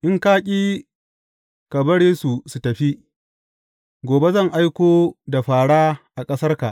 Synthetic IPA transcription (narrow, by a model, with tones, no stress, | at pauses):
ʔɪ˦ŋkaː˦kʲʼiː˦ | ka˨bɐ˦ɽeː˦su˨su˨tɐ˨ɸi˦ | ɡʷoː˨be˦zɐ˦˨ŋʔa˦jkʷoː˦da˨ɸaː˨ɽaː˦ʔa˨kʼɐ˦sɐ˦rka˨ʔ